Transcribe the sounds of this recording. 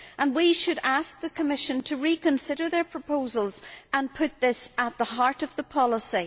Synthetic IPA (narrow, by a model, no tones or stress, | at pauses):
ʔə̃nwiʃɨɾask̚ðəkʰəmɪʃə̃ntʰəɹikʰə̃nsɪɾə˞ðə˞pʰɹ̥əpʰozəlˠzə̃npʰʊt̪̚ðɪsət̪̚ðəɦaɹɾʌvðəpʰɑlˠəsi